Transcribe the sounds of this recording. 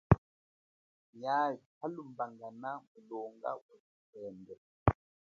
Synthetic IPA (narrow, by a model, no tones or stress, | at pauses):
ɲahalumbaŋɡanamulɔŋɡa̰wɛsikɛːndɛ